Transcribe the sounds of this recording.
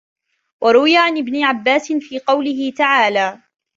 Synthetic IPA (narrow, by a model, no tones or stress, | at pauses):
wʔɑɾˤʊwɪjaːʕanʔɪbnɪʕabːaːsɪnfiːqɑwlɪɦɪt̪aʕaːlaː